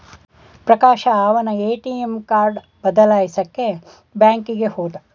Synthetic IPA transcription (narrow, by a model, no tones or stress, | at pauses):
pɾɐkaːʃɐaːʋɐnɐeːʈiemkaːɾɖ | bɐd̪ɐlaːjisɐkːe | baːŋkiɡehoːd̪ɐ